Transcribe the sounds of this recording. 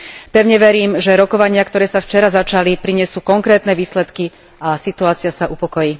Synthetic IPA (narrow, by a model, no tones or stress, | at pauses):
pɛʊɲɛʋɛɾiːmʒɛɾɔkɔʋaɲɪakt̪ɔɾɛːsaft͡ʃɛɾazat͡ʃalipɾiɲɪɛsuːkɔŋkɾɛːt̪nɛʋiːslɛt̪ki | asit̪uaːt͡sɪasaʔupɔkɔjiː